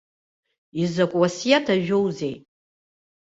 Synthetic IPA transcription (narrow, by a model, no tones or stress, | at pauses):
izakʷʼwasijatʰaʒᶣowzej